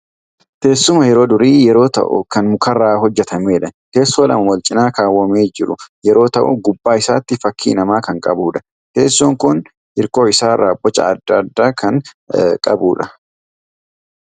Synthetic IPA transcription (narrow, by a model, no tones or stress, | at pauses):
t̪e̞ːsːʊmɐjɛɾo̞ːd̪ʊɾiːjɛɾo̞ːt̪ɐ̰ʔʊ̰kɐnmʊkɐrːaːɦɔd͡ʒːɛt̪ɐmeːᶑɐke̞ːsːoːlɐ̰mɐwɔlt͡ʃʼɪnaːkaːwːɐme̞ːd͡ʒɪɾʊjɛɾo̞ːt̪ɐʔʊ̰ɡʊbːaːɪsaːt̪ːɪfɐkʰːḭːnɐmaːkɐŋkʼɐbuːᶑɐ̥ | ke̞ːsːuːŋkʊn | ʔɪɾko̞ːɪsaːɾaːbːɔt͡ʃːɐ̰ːd̪ːɐd̪ːaːkɐŋ | kʼɐbuːᶑɐ